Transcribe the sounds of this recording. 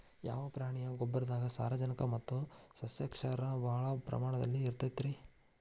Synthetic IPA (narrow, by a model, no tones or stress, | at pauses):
ja̰ːʋɐpɾaːɳijɐɡɔbːɐɾɐd̪aːɡɐsa̰ːɾɐd͡ʒɐnɐkɐmɐt̪ːusɐsjɐkʂɐɾɐbɐɦɐɭɐpɾɐ̰maːɳɐd̪ɐ̰lːiːɾt̪ɐt̪ːɾi